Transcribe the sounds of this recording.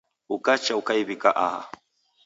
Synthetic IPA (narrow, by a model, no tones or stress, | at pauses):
ukat͡ʃaukaiβikaʔaha̰